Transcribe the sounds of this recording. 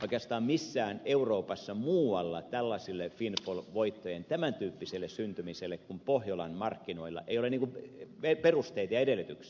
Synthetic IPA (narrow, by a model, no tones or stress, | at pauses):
ʔoˑikeɑst̪ɑːmmisːæːneuroːpɑsːɑmuːɑlːɑt̪ælːɑsilːefinfolʋoit̪ːojent̪æmænt̪yːpːiselːˑessynt̪ymiselːˑekkumpohjolɑnmɑrkːinoilːɑ̰ʔeijoleniːŋkueperust̪eit̪ɑjɑedelːˑyt̪yks